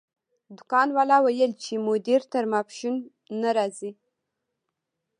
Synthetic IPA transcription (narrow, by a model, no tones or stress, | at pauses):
d̪ʊkɑnwalɑwajəlt͡ʃemʊd̪iɾt̪əɾmapʃunː | aɾɑzi